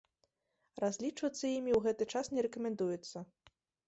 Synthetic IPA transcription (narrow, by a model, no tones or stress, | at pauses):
razʲlʲit͡ʂvɐt̪sːɐjimʲiwɣɛt̪ɨt͡ʂasnʲɛɾɛkɐmʲɛnd̪ujɛt̪sːɐ